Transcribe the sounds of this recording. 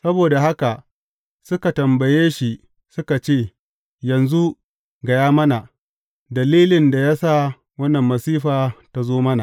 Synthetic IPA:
sɐ˦boː˨da˨ɦa˦ka˨ | sʊ˦ka˨tɐ˨mbɐ˨jeː˦ʃi˨ | sʊ˦ka˨t͡ʃeː˦˨ | jɐ˨nzu˦ʔ | ɡɐ˨jaː˦mɐ˦na˨ | dɐ˨liː˦lɪ˨nda˨ja˦sa˦˨ | wɐ˦nːɐ˨mːɐ˨siː˦ɸaː˨ta˦zoː˦mɐ˦na̰˨

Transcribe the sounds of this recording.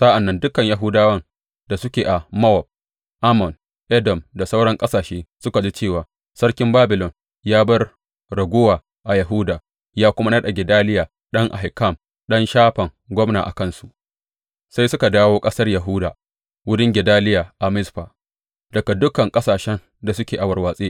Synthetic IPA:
sa˦ʔa˨nːɐ˦ndʊ˦kɐ˨ɲja˨ɦʊ˦daː˦wɐ˦n | da˨sʊ˦kʲeː˨ʔa˨mɐ˦wɔ˨b̚ | ʔa˦mɔ˨n | ʔɛ˦dɔ˨mda˨sa˦wɽɐ˦ŋkʼɐ˦saː˨ʃeː˦sʊ˦ka˨d͡ʒiː˦t͡ʃeː˦˨waː˨ | sɐ˦ɽkʲɪ˦mbaː˦bɪ˨lɔ˨n | jaː˦bɐ˦r | ɽɐ˨ɡʷʊ˦waː˨ | ʔa˨jɐ˨ɦʊ˦daː˨ | jaː˦kʷʊ˦ma˦nɐ˦ɗa˨ɡʲɪ˨daː˦lɪ˦jaː˨ | ɗɐ˦ŋʔa̰˨ɦɪ˨ka˦˨m | ɗɐ˦nʃaː˦ɸɐ˨ŋ | ɡʷɔ˦mna̰ː˨ʔa̰˨kɐ˦˨nsu˨ʔ | sa˦jsʊ˦ka˨daː˦woː˦kʼɐ˦sɐ˦rjɐ˨ɦʊ˦daː˨ | wʊ˦dɪ˦ŋɡʲɪ˨daː˦lɪ˦jaː˨ʔa˨mɪ˦sɸaː˨ | dɐ˨ka˨dʊ˦kɐ˨ŋkʼɐ˦saː˨ʃɛ˦n | da˨sʊ˦kʲeː˨ʔa˨wɐ˨rwaː˨sʼeː˦

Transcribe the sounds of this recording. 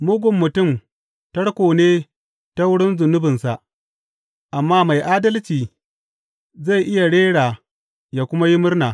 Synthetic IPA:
mʊ˦ɡʷʊ˨mːʊ˨tʊ˦˨m | tɐ˦ɽkʷoː˨neː˦ | ta˦wʊ˦ɽɪ˦nzʊ˨nʊ˦bɪ˨nsa˨ʔ | ʔa˨mːaː˦ma˨jʔaː˦dɐ˦lt͡ʃiː˨ | za˦˨ʔɪ˦ja˨ɽeː˦ɽaː˨ | jaː˦˨kʷʊ˦ma˦ji˦mʊ˦rnaː˨

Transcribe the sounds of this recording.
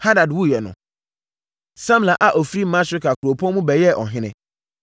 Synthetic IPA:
ha˦da˨dwu˦˨jɛ˨nʊ̰̃˨ | sã˦m˨la˨ʔa˨ʔɔ˨fɾi˦˨mã˦ɕᶣɪ˦kʰa˨kʰu˨ɾo˨pʰɔ̃˦mũ˦bɛ˨jɛ˦ʔɔ̰˨ɦɪ̃˦nɪ̃˦

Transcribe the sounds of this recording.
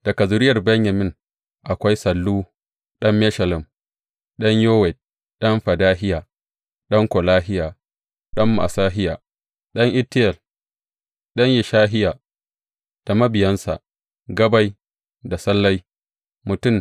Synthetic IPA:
d̥ɐ˨kɐ˨zʊ˨ɾɪ˦jɐ˨rbɐ˦ɲjɐ˨mɪ˦ŋ | ʔa˨kʷa˦jsɐ˨lːuː˦ | ɗɐ˦mːɛ˦ʃɐ˨lɪ˨m | ɗɐ˦ɲjoː˦wɛ˨d̚ | ɗɐ˦mɸɐ˨daː˦ɦɪ˦jaː˨ | ɗɐ˦ŋkʷo˨laː˦ɦɪ˦jaː˨ | ɗɐ˦mːa̰˨saː˦ɦɪ˦jaː˨ | ɗɐ˦ŋʔɪ˦tːɪ˦jɛ˨l | ɗɐ˦ɲjɪ˨ʃaː˦ɦɪ˦ja˨ | d̥a˨mɐ˦bɪ˨jɐ˦nsa̰˨ʔ | ɡɐ˦ba˦j | da˨sɐ˦lːa˦j | mʊ˨tʊ˦˨m

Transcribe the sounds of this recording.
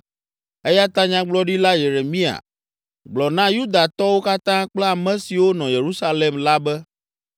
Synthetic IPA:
e˦ja˦t̪a˦ɲã˦ɡ͡blɔ˦ɖi˦la˦je˨ɾe˨mĩ˦a̰˨ | ɡ͡blɔ˨nã˦ju˦d̪a˨t̪ɔ˦wo˦ka˦t̪ã˦k͡plɛ˦a˨mɛ̃˨si˨wo˦nɔ̃˨je˨ɾu˦sa˦le˨mla˦bɛ˦

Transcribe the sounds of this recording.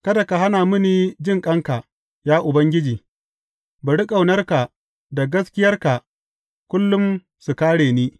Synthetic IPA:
kɐ˦da˨ka˨ɦa˦naː˨mʊ˦niː˨d͡ʒɪ˦˨ŋkʼɐ˦ŋka˨ | jaː˦ʔʊ˨bɐ˦ŋɡʲɪ˦d͡ʒiː˨ | ba˨ɽi˦kʼa˨wnɐ˦rka˨ | da˨ɡɐ˦skʲɪ˦jɐ˦rka˨ | kʷʊ˦lːʊ˦m | su˨kaː˦ɽeː˨niː˦

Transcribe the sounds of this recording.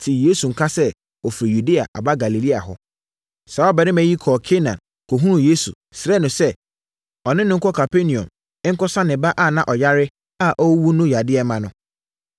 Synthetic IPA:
tʰi˨je˦su˨ŋ̩˨kʰa˦sɛ˦ | ɔ˨fɾi˨ju˨de˦a̰˨ʔa̰˨ba˦ɡa˨li˨li˦a̰˨ɦɔ˦ | sa˨ɔ˦bɛ˨ɾɪ̃˦mæ̃˨ji˦kʰɔː˨kʰe˦nã̰˨n | kʰo˨ɦũ˦ũ˨je˦sṵ˨ | sɪ˨ɾɛ˦nʊ̃˨sɛ˦ | ɔ˨nɪ̃˦nʊ̃˦ŋ̩˦kʰɔ˦kʰa˨pʰe˦nĩ˨ɔ̰̃˨m | ɪ˦ŋ̩˦kɔ˦sã˦nɪ̃˨ba˦ʔa˦˨nã˦ʔɔ˨ja˦ɾɪ˦ | a˦˨ʔɔ˦wu˦nʊ̃˦ja˨dɪ˦ɛ˨mã˨nʊ̃˦

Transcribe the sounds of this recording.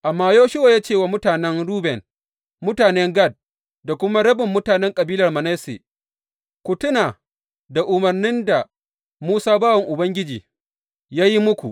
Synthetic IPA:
ʔa˨mːaː˦joː˦ʃɪ˦wa˨jaː˦t͡ʃeː˦˨wa˨mʊ˦taː˨nɛ˦ŋɽuː˦bɛ˨n | mʊ˦taː˨nɛ˦ŋɡɐ˦˨d̚ | da˨kʷʊ˦ma˦ɽɐ˦bɪ˨mːʊ˦taː˨nɛ˦ŋkʼɐ˨biː˦lɐ˨rmɐ˨nɛ˦sḛː˨ | kʷʊ˨tʊ˦naː˨ | da˨ʔʊ˨mɐ˨rnɪ˦nda˨ | muː˦saː˦baː˦wɐ˨ŋʔʊ˨bɐ˦ŋɡʲɪ˦d͡ʒḭː˨ | jaː˦ji˦mʊ˦kʷṵ˨ʔ

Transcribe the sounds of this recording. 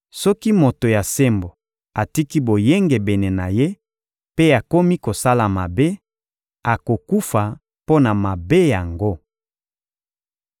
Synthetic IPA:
sɔ˦ki˦mo˨to˨ja˨se˦mbo˨ | a˨ti˦ki˦bo˨je˦ŋɡe˨bɛ˨ne˨na˨je˦ | pe˦a˨ko˦mi˦ko˨sa˦la˨ma˨be˦ | a˨ko˨ku˦fa˨ | po˦na˨ma˨be˦ja˨ŋɡo˦

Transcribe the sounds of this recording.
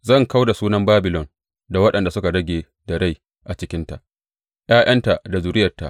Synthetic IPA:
zɐ˦˨ŋka˦wda˨suː˦nɐ˦mbaː˦bɪ˨lɔ˨n | da˨wɐ˦ɗɐ˨nda˨sʊ˦ka˨ɽɐ˦ɡʲeː˨ | da˨ɽa˦˨j | ʔa˨t͡ʃɪ˦kʲɪ˦nta̰˨ʔ | j̰aː˦j̰ɐ˦nta˨da˨zʊ˨ɾɪ˦jɐ˨rtːa̰˨ʔ

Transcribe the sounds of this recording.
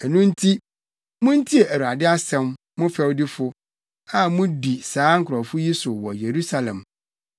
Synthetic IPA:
ɛ˨nũ˦n̩˦tʰi˦ | mʊ̃˦n̩˦tʰi˦ɛ˨æ˨ɾu˨a˨dɪ˦a˦sɛ̃˦m | mʊ̃˦fɛ˦wdɪ˦fʊ˦ | a˨mʊ̃˦di˨saː˨˦ŋ̩˨kʰʊ˨ɾɔ˨fʊ˦ji˦sʊ˨wɔ̰˨je˨ɾu˦sa˨lɛ̰̃˨m

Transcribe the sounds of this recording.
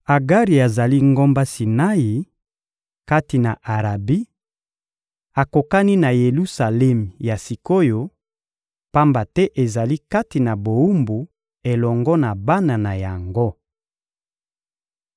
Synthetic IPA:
a˨ɡa˦ʁi˨a˨za˨li˦ŋɡo˦mba˦si˨na˦ji˨ | ka˦ti˨na˨ʔa˨ʁa˨bi˦ | a˨ko˨ka˦ni˦na˨je˨lu˦sa˨lɛ˦m˨ja˨si˨ko˦jo˨ | pa˦mba˨tɛ˦ʔe˨za˨li˦ka˦ti˨na˨bo˨u˦mbu˨ | e˨lɔ˨ŋɡɔ˦na˨ba˦na˨na˨ja˨ŋɡo˦

